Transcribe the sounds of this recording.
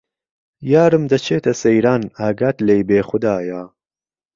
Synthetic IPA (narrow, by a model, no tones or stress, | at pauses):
jaːɾɨmd̪ɐt͡ʃʰeːt̪ʰɐsɐjɾaːnaːɡaːt̪lejbeːxʊd̪aːja